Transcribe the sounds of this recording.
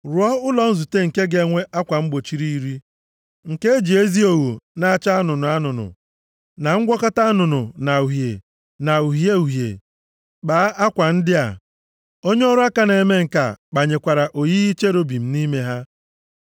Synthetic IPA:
ɾʊ˨˦ɔ˦ʊ˦lɔ˨n̩˦zu˨te˦ŋ̩˨ke˦ɡe˨˦ŋʷe˦ʔa˦kʷa˨ŋ͡m̩˦ɡ͡bo˨t͡ʃi˦ɾi˦i˦ɾi˦ | ŋ̩˨ke˦d͡ʒi˨e˦zi˦o˨wu˨na˨˦a˦˨t͡ʃa˦a˦nʊ˨nʊ˨a˦nʊ˨nʊ̰˨ | na˨ŋ̩˦ɡʷɔ˦ka˦ta˦a˦nʊ˨nʊ˨na˨u˨ɦje˨ | na˨u˨ɦje˦u˨ɦjḛ˨ | k͡paː˨˦a˦kʷa˨n̩˦dɪ˦a̰˨ | o˦ɲe˦ɔ˦ɾʊ˦a˦ka˨ne˨me˦ŋ̩˨ka̰˨k͡pa˨ɲe˨kʷa˨ɾa˨ʔo˨ji˦i˦t͡ʃe˦ɾo˦bi˨m̩˦ni˦me˦ɦa˦

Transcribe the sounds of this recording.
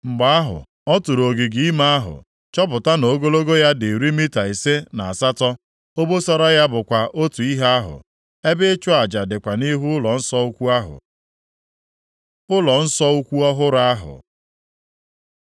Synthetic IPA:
ŋ͡m̩˨ɡ͡ba˨a˦ɦʊ̰˨ | ɔ˦tu˨ɾo˨ɡi˨ɡi˦i˦ma˦a˦ɦʊ̰˨ | t͡ʃɔ˦p̬ʊ˨ta˦no˨˦ɡo˦lo˦ɡo˦ja˦de˨ɾi˦mi˦ta˨e˨se˦na˨a˨sa˦tɔ˦ | o˦bo˦sɔ˦ɾɔ˦ja˦bʊ˨kʷa˨ʔo˦tu˨i˦ɦa˦a˦ɦʊ̰˨ | e˦bɪ˦t͡ʃʊ˦a˨d͡ʒa˨dɪ˨kʷa˨ni˦ɦu˦ʊ˦lɔ˨n̩˦sɔ˦u˦kʷu˦a˦ɦʊ̰˨ | ʊ˦lɔ˨n̩˦sɔ˦u˦kʷu˦ɔ˦ɦʊ˦ɾa˦a˦ɦʊ̰˨

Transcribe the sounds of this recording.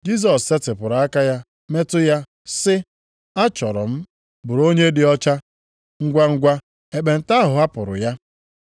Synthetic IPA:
d͡ʒi˦s̬ɔ˨sːe˦tɪ˨pʊ˨ɾa˦ka˦ja˦ | me˦tʊ˦ja˦ | sɪ˦ | a˦t͡ʃɔ˨ɾɔ˨m̩˦ | bʊ˨ɾo˦ɲe˦dɪ˨ɔ˦t͡ʃa˦ | ŋ̩˦ɡʷa˦ŋ̩˦ɡʷa˦ | e˨k͡pe˨n̩˨ta˦ɦʊ˨a˦pʊ˨ɾʊ̰˨ja˦

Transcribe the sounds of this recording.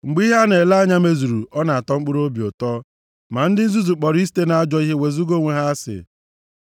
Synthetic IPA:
ŋ͡m̩˨ɡ͡bi˦ɦa˦ne˨la˦a˦ɲa˦me˦zu˨ɾu˨ʔɔ˦na˨a˨tɔ˦ŋ͡m̩˦k͡pʊ˦ɾo˦bi˨o̰˨tɔ˦ | ma˨n̩˦dɪ˦n̩˦zu˦zu˨k͡pɔ˨ɾi˦si̥˦te˦na˦a˦d͡ʒɔ˦i˦ɦe˦we˨zu˦ɡo˦˨ŋʷe˨ɦa˦a˦sɪ̰˨

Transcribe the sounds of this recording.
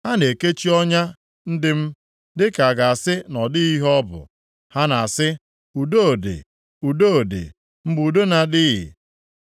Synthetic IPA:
ha˦ne˨ke˦t͡ʃi˦ɔ˦ɲa˦ | n̩˦dɪ˦m̩˦ | dɪ˦ka˨a˨ɡa˨a˨sɪ˦nɔ˨dɪ˦i˦ɦɔ˦bʊ̰˨ | ha˦na˨a˨sɪ˦ | u˨do˦o˨dḛ˨ | u˨do˦o˨dḛ˨ | m̩˦bu˨do˦na˨dɪ˦ɣɪ̰˨

